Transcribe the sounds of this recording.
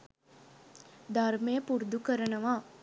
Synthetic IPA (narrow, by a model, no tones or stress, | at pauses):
d̪ʱarmejəpuɾd̪ukəɾənɐʋaː